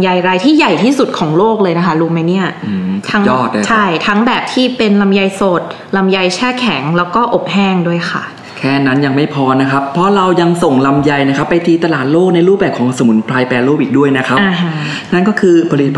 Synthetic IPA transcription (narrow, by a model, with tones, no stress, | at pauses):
mja˧jɾa˧jt̪ʰiː˥˩ja˨˩jt̪ʰiː˥˩su˨˩t̪̚kʰɔː˩˦ŋloː˥˩k̚lɤː˧jna˦kʰa˦˥ɾuː˧ma˦˥jni˥˩ɐɯː˧˩t̪ʰa˦˥ŋjɔː˥˩t̪̚ːt͡ɕʰa˥˩jt̪ʰa˦˥ŋbɛː˨˩p̚t̪ʰiː˥˩pe˧nla˧mja˧jso˨˩t̪̚ | la˧mja˧jt͡ɕʰɛː˥˩kʰɛ˩˦ŋlɛː˦˥wkɔː˥˩ʔo˨˩p̚hɛː˥˩ŋdu˥˩əjxʰa̰˨˩ | kʰɛː˥˩na˦˥nja˧ŋma˥˩jpʰɔː˧na˦˥kʰa˦˥pʰːɔ˦˥ɾa˧wja˧ŋso˨˩ŋla˧mja˧jna˦˥kʰa˦˥pːa˧jt̪ʰiː˧t̪a˧laː˨˩t̪̚loː˥˩k̚na˧jɾuː˥˩bɛː˨˩p̚kʰɔː˩˦ŋso˧mu˨˩˦npʰɾaː˧jpɛː˧loː˥˩p̚iː˨˩du˥˩əjna˦˥kʰa˦˥a˨˧˩ɦ | na˥˩nkɔː˥˩kʰɯː˧pʰa˧li˦t̪̚ʰ